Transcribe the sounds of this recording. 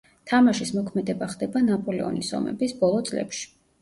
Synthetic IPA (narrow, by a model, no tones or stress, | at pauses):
t̪ʰamaʃismɔkʰmɛd̪ɛbaχd̪ɛbanapʼɔlɛɔ̰nisɔ̰mɛ̰bisbɔlˠɔt̪sʼlɛ̰pʃi̥